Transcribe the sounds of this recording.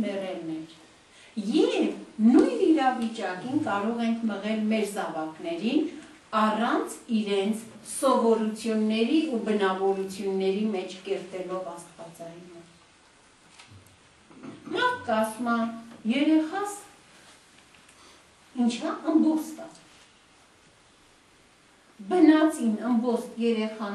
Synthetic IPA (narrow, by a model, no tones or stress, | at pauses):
mɛʁɛlnɛɾ | jɛvnujniɾɑvit͡ʃɑkinkɑɾɔʁɛŋkʰməʁɛlmɛɾzɑvɑknɛɾin | ɑrɑnt͡sʰiɾɛnt͡sʰ | sɔvɔɾut͡sʰjunːɛɾiubənɑvɔɾut͡sʰjunːɛɾimɛt͡ʃʰkɛɾt̪ɛlɔvɑst̪vɑt͡sɑjunə | mɑɾt̪̚ʰkɑsmɑnjɛɾɛχɑs | int͡ʃʰəəmbɔt͡sʰt̪ɑ | bənɑt͡sʰinəmbɔsjɛɾɛχɑ